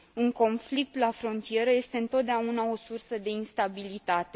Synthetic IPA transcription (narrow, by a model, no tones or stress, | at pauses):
uŋko̞nflik̚t̪lafɾo̞nt̪ije̞ɾəje̞st̪e̞ɨnt̪ot̪̚d̪eaunao̞sursəd̪e̞inst̪abilit̪at̪e̞